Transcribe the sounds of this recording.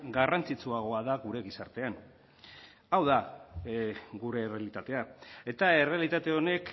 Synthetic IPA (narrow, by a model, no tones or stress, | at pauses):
ɡarant͡sit͡suaɣ̞o̞aðaɣuɾe̞ɣisaɾt̪e̞an | awða | ɡuɾe̞ːre̞alit̪at̪e̞ae̞t̪ae̞re̞alit̪at̪e̞o̞ne̞k